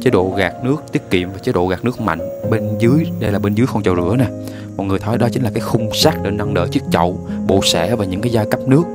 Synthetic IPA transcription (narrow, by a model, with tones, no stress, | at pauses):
t͡ɕeː˨˦ɗo̰˧˨ɣaː˨˩k̚nɨ˦˥ək̚t̪i˦˥ət̚kḭ˧˨əmvaː˨˩t͡ɕe˨˦ɗo̰˧˨ɣaː˨˩k̚nɨ˦˥ək̚ma̰˧˨jŋ̟ɓe˧nzɨ˨˦əjɗə˧jlaː˨˩ɓe˧nzɨː˨˦jxɔ˧nt͡ɕɔ˧˩wzɨ̰˧˩ənaː˨˩ | mɔ̰˧˨t̚ŋɨ˨˩əjt̪ʰɔ˨˦jɗɔ˨˦t͡ɕï˨˦ŋ̟la˨˩kaː˨˦jxʊ˧ŋ͡msaː˦˥k̚ɗe˧nːa˧ŋɗə̰ː˧˨t͡ɕi˦˥ək̚t͡ɕə˧˨wɓo̰˧˨sɛ̰˧˩vaː˨˩ɲɨ̰˧˥ŋkaː˨˦jzaː˧jkə˦˥p̚nɨ˦˥ək̚